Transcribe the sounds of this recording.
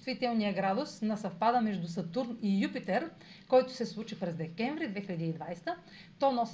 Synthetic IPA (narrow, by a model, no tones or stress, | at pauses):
t̪vit̪ɛlˠnijəɡɾad̪ʊsnɐsɐfpad̪əmɛʒd̪usɐt̪uɾnijupit̪ɛɾ | kɔjt̪ʊ̥sɛslˠut͡ʃipɾɛzd̪ɛkɛnvɾid̪vɛxiʎʲɐd̪iːd̪vajsɛ̥t̪ə | t̪ɔnɔs